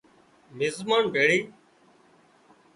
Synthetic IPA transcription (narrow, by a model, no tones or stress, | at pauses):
mɪzmaːnɖʱeːɽiː